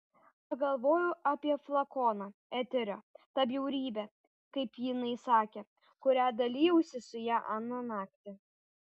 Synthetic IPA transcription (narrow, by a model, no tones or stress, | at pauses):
pɐɡɐlˠʋoːjʊʔɑːpʲiɛflˠɐkoːnɑæt̪ʲɛɾʲoːt̪ɐbjɛʊɾʲiːbʲɛ | kɐɪpjɪnɐɪsɑːkʲeː | kʊɾʲæːd̪ɐlʲiːjɛʊsʲɪsʊjæːʔɐnonɑːkt̪ʲɪ